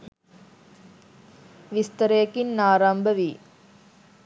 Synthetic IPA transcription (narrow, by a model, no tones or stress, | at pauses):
ʋɪst̪ɐɾeːkːɪnnaːɾaːmbʱɐʋi